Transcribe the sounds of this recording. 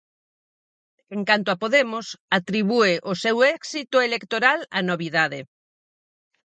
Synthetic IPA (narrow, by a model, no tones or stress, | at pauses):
eŋkant̪oapoðemʊsat̪ɾiβueʔosɛwɛksit̪ʊelekt̪oɾala̰noβiðaðe